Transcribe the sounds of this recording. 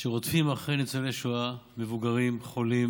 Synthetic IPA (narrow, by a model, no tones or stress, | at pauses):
ʃeʁot̪fimaχʁejnit͡seveʃuame̞vuɡaʁimχo̞lim